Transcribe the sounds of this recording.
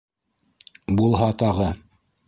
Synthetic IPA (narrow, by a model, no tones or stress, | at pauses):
bulˠɦɑt̪ɑʁɤ